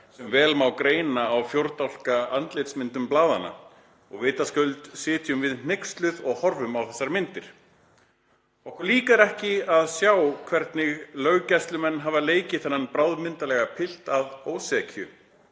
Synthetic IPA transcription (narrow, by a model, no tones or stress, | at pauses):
sɛmvɛːlmawkɾeːjnaːwfjowɾt̪awl̥kaant̪lejt̪smɪnt̪ʏmplaːðana̰ | ɔ̰ɣveːjt̪askœlt̪sɪːt̪jʏmvɪðn̥ejkst̪lʏðɔɣhɔɾvʏmawθɛsːaɾmɪnt̪ɪɾ̥ | ɔhkɔɾliːkaɾɛhcɪaðsjawkʰvɛɾt̪nɪɣlœɣcajst̪lʏmɛnːɦaːvaleːjcɪθɛnːanpɾawðmɪnt̪alɛɣapʰɪl̥t̪aðoːwsɛcʰjʏ